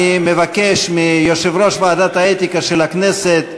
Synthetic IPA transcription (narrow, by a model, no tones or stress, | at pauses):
mevake̞ʃmijoʃevɾo̞ʃvaːd̪at̪aet̪ikaʃelakne̞set̪